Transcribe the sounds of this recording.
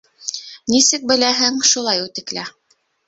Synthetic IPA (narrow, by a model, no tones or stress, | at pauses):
nisɘk̚bɘ̆læɦɘŋʃulˠɑjʉt̪ɘ̆klæ